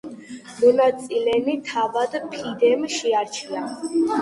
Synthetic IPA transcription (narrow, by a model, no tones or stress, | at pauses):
mɔnat̪sʼilɛnit̪ʰavad̪pʰid̪ɛmʃiaɾt͡ʃʰia